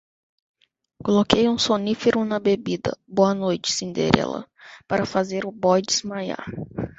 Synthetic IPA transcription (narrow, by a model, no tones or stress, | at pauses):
kolokejũsonifeɾʊnɐbebid̪ɐ̰boɐnojt͡ʃɪ̥sẽnd̪ḛɾɛ̰lɐ̰paɾɐfazeɾʊbɔjd͡ʒɪzmaja̰ɾ